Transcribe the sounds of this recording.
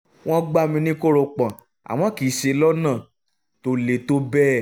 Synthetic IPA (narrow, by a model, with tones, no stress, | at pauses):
w̃ɔ̃˦ɡ͡ba˦˨mĩ˧nĩ˦ko˦ɾo˧k͡pã˨ | a̰˨w̃ɔ̃˨˦ki˨˦ʃe˧lɔ˦nãː˦˨ | to˧˦le˨to˦bɛ˦